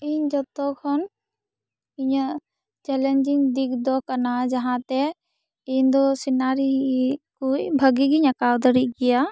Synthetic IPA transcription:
ind͡ʒɔt̪ɔkʰɔn | iɲ | t͡ʃɛlend͡ʒɪŋɡd̪ikʰd̪ɔkɐnad͡ʒɐɦãt̪ɛ | ind̪ɔsinaɾikubʱəɡiɡiɲɐkawd̪əɾiɡɪja

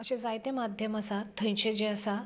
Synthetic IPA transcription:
əɕẽd͡zajt̪emad̪ʱjəməsat̪ʰə̃j̃t͡ɕed͡ʑeəsa

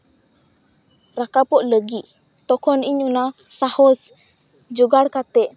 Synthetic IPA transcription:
ɾakapɔʔləɡiʔ | t̪ɔkʰɔniɲunasahɔs | d͡ʒuɡaɽkat̪ɛ

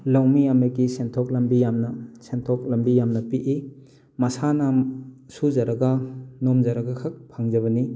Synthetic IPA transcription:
lawmijamekisentʰɔk̚lɐmbijamnɐsentʰɔk̚lɐmbijamnɐpiʔi | mɐsana | suzɐɾɐɡanomzɐɾɐɡakʰɐk̚pʰaŋzɐβɐni

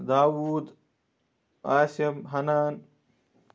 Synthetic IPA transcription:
d̪aːwuːd̪ | aːsɐmɦɐnaːn

